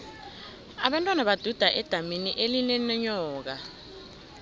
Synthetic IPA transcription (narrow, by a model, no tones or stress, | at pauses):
aɓantʼwanaɓad̥ʱud̥ʱaʔɛd̥ʱaminiʔelinɛnɛɲɔːk̬a